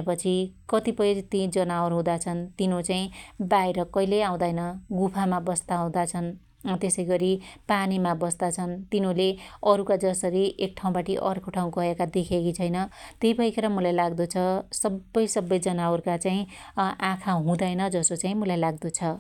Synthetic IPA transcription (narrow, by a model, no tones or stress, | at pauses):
epʌt͡sʰikʌt̪ipʌjɾt̪ĩd͡zʌnawʌɾɦũd̪at͡sʰʌnt̪inot͡saĩbajeɾʌkʌjleãw̃d̪ajnʌɡupʰamabʌst̪aɦũd̪at͡sʰʌn | t̪esʌjɡʌɾipanimabʌst̪at͡sʰʌnt̪inoleʌɾukad͡zʌsʌɾiʔek̚ʈʰaw̃baʈiʔʌ̰rkʰoʈʰaw̃kʌekad̪ekʰekit͡sʰʌjnʌt̪eibʱʌjkʰeɾʌmulajlaɡd̪ot͡sʰʌsʌbːʌjsʌbːʌjd͡zʌnaworkat͡saĩʔãkʰaɦũd̪ajnʌd͡zʌsot͡saĩmulajlaɡ̚d̪ot͡sʰʌ